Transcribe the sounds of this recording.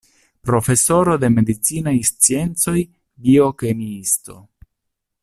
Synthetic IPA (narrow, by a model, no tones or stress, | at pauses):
pɾo̞fe̞so̞ɾo̞d̪e̞me̞d̪it͡sinajst͡sie̞nt͡so̞j | bio̞ke̞miist̪o̞̰